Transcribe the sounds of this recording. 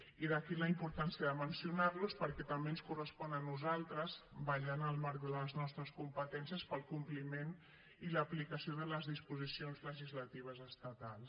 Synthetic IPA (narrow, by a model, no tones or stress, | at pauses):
iðəkiləimpuɾt̪ansiəðəmənsiunaɾluspəɾkɛt̪əmbeənskurəspɔnənuzalˠt̪ɾəzbəʎanəlˠmaɾk̚d̪ələznɔst̪ɾəskumpət̪ɛnsiəspəlˠkumplimen | iləplikəsioðələzðispuzisionzləʒizlət̪iβ̞əzəst̪ət̪alˠs